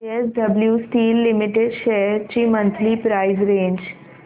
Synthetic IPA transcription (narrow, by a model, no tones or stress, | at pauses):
esɖɐbljusʈiːlːɪmɪʈeɖʃeɦəɾt͡ʃimə̃nt̪ʰlipɾaːɪzɾẽːɲd͡ʒ